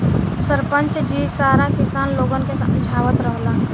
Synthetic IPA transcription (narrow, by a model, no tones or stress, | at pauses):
səɾpənt͡ʃd͡ʒiːsaːɾakɪsaːnloːɡənkesənd͡ʒʰaːʋət̪ɾəɦla